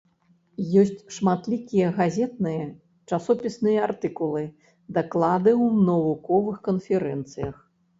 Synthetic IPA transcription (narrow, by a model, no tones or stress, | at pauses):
jɔsʲt͡sʲʂmat̪lʲikʲijɐɣazʲɛt̪nɨjɐ | t͡ʂasɔpʲisnɨjɐart̪ɨkulˠɨ | d̪aklˠad̪ɨwnɐvukɔvɨxkɐnfʲɛɾɛnt̪sɨjɐx